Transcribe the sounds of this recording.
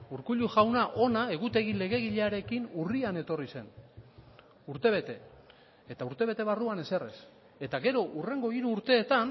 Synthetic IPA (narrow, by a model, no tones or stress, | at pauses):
uɾkuʎuʝawnaʔo̞nae̞ɣut̪e̞ɣile̞ɣ̞e̞ɣiʎeaɾe̞kinuriane̞t̪o̞rise̞n | uɾt̪e̞βe̞t̪e̞ː | t̪auɾt̪e̞β̞e̞t̪e̞βaruane̞se̞re̞̰s | e̞t̪aɣe̞ɾo̞ʔure̞ŋɡo̞iɾuːɾt̪e̞ːt̪an